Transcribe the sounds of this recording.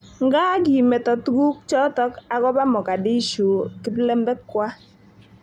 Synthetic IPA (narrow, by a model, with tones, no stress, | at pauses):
ŋɡa˦ɡi˨mɛ˨tɔ˨tɡu˦k̚t͡ʃɔ˦tɔ˦ka˨ɡɔ˦ba˦mɔ˨ka˨di˦ʃu˨kɪ˦plɛ˦mbɛ˦kːwa˦